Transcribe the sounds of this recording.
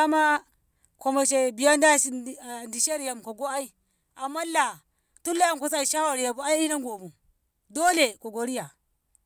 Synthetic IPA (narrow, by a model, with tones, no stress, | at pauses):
a˦ma˦ | ko˨ma˨ʃe˨bi˨ja˦nda˦si˦˨ndi˨ʃe˦ɾja˨mko˨ɡo˦a˦i˦ | a˨mːa˦la˨ | tu˦lːa˦ja˨mko˨s̬a˦i˨ʃa˦ha˨ɾja˨bu˨a˦i˦i˦na˦ŋɡo˨bu˨ | do˦le˨ko˨ɡo˨ɾi˦ja˨